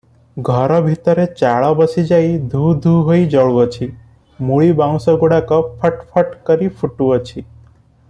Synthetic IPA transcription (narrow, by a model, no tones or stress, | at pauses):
ɡʱɔɾɔbʱit̪ɔɾet͡ʃaɭɔbəsid͡ʒajd̪ʱud̪ʱuɦoid͡ʒɔɭuɔt͡ʃʰi | muɭibãŋsɔɡuɽakɔpʰəʈpʰəʈkəɾipʰuʈuɔt͡ʃʰi